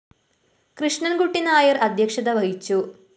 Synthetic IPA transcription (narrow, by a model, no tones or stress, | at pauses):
krɨʂɳɐnɡuʈːinaːjɐrɐd̪ʱjɐkʂɐd̪ɐʋɐɦit͡ɕːu